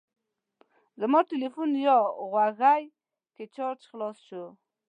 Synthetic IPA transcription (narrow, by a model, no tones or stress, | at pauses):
zəmɔʈɪlifunjɑɣwaɣaj | ket͡ʃɑɾt͡ʃxlɑsʃu